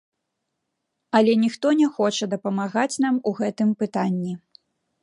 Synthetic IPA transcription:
ɐlʲɛnʲixt̪ɔnʲɛxɔt͡ʂɐd̪ɐpɐmaɣat͡sʲnamuɣɛt̪ɨmpɨt̪anʲːi

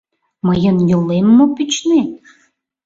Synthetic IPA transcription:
məjənjolemːopyt͡ɕne

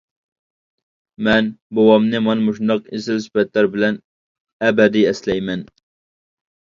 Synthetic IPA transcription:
mɛnbowɑmnɨmɑnmuʃund̪ɑqezɪlsy̥pɛt̪læɾbɪlɛn | ɛbɛd̪iɛslɛjmɛn

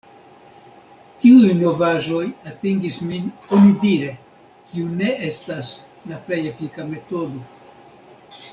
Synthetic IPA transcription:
kiujno̞vaʒo̞jateŋɡisminonidiɾe̞ | kiune̞ʔe̞stas | laple̞jefikame̞to̞do̞

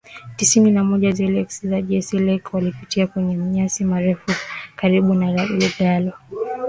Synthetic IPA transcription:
tisininamɔʄazɛlɛksizaʄɛsilɛkwalipitiakwɛɲɛm̩ɲasimaɾɛfukaɾiɓunaɾaɛɡalɔ

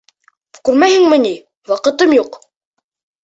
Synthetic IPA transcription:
kʉɾmæhɘ̆ŋmɘ̆ni | wɑqɤ̆t̪ɤmjuq

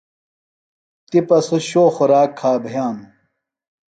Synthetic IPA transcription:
t̪ipɐsoɕoːxoɾaːkʰːaːbʱɐjaːn

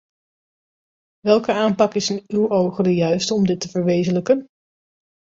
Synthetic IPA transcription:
ʋɛlˠkəaːmpɑkɪsɪnywʔowχədəjœɥstəɔmdɪtəvəɹʋejzələkən

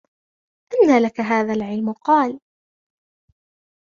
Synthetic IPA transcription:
ʔɪnːaːlakaɦaːðaːlʕɪlmʊqɑːl

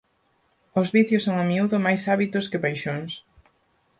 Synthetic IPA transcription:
ʊzβiθjʊsoŋamiuðʊmajsaβit̪ʊskɪpajʃoŋs

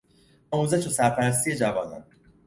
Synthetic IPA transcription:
ɒːmuːzeʃosæɾpʰæɾæs̬t̪ʰije̞d͡ʒævɒːnɒ̰n

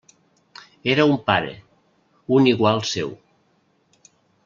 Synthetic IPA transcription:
eɾaumpaɾḛ | uniɣwalˠsḛw

